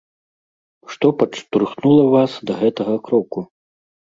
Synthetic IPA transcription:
ʂt̪ɔpɐt͡ʂt̪urxnulˠɐvasd̪ɐɣɛt̪ɐɣɐkɾɔku

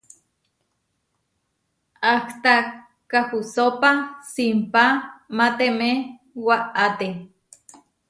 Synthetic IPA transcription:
aht̪a | kahusopasimpamat̪eme | waʔat̪e

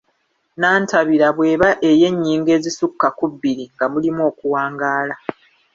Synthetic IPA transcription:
naːntaβiɾaβwe̞ːβaʔe̞je̞ɲːiːŋɡe̞ːzisukːakubːiɾiŋɡamulimo̞ːkuwaːŋɡaːla

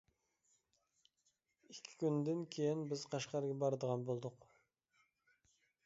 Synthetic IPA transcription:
ikʲʰːɪ̥kʲʰynd̪ɪnkʲʰejinbɪz̥qʰɑʃqɑɾɡʲɛbɑɾd̪əʁɑnbolˠd̪ʊq

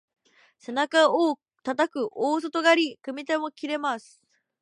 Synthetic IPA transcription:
se̞nakaoː | t̪at̪akɯ̟ʔoːs̬ot̪o̞ɡaɾʲikɯ̟mʲit̪emo̞kʲiɾe̞masɨ̥

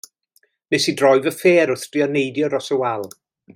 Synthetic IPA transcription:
nɛsidrɔɨvəfeːɾʊθd̥riɔnejdjɔɾɔsəwɛlˠ

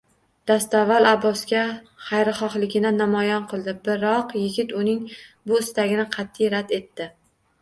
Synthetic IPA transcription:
d̪̥ast̪avːalˠabɒsɡʲa | χɑjɾɪχɒχlˠɪɡʲɪnanːamɒjɒnqʰɨlˠd̪ɪbɪɾɒqjɪɡʲɪt̪ʊnɪŋbʊɪst̪aɡʲɪnɪqʰɑt̪ʰːɪjɾad̪e̞t̪ʰːɪ

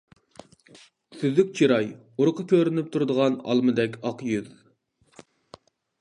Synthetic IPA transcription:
syðykʲt͡ʃʰiɾɑj | uɾqʰəkʲøɾynyp̚t̪ʰuɾd̪əʁɑnɑ̰lˠmɨd̪ɛkʲɑqjyð

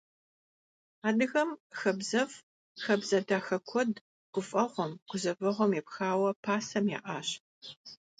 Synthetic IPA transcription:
aːdɨɣɐmxɐbzɐv | xɐbzɐdaːxɐkʷʰɔd | ɡ̥ʷʊfʼɐʁʷɔmɡ̥ʷʊzɐvɨʁʷɔmjɛpxaːwɐpʰaːsɐmja̰ːʔa̰ːɕ

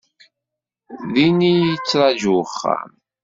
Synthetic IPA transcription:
ðinijət͡sːɾˤɑd͡ʒuχːa̰m

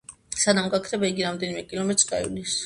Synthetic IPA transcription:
sad̪amɡakʰɾɛbaiɡiɾamd̪ɛnimɛkʼilˠɔmɛt̪ʼɾɡa̰ḭlis

